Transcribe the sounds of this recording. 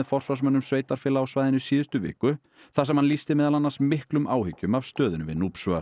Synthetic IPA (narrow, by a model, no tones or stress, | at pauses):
ðfɔr̥svas̬mœnːʏmsveːjt̪aɾ̥fɪːlaːwsvajðɪnʏsiːðɪst̪ʏvɪ̰ːhkʏ | θasɛmhanlist̪ɪmɛːðalanːasmɪhklʏmʔaːwhʏcːʏmavst̪œːðɪnʏvɪ̰ðnuːpsvœa